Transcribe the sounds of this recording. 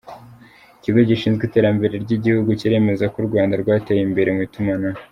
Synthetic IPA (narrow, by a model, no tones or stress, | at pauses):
iciɡoɟiʃiːnzɡiːte̞ːɾambe̞ɾe̞ɾɟiɟihuɡuciɾe̞me̞zakuɾɡwaːndaɾɡwaːtejimbe̞ɾemitumana